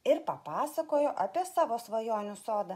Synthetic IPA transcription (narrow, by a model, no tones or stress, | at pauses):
ɪɾpɐpɑːsɐkoːjoːʔɐpʲiɛsɑːʋoːsʋɐjoːnʲʊsoːd̪ɐ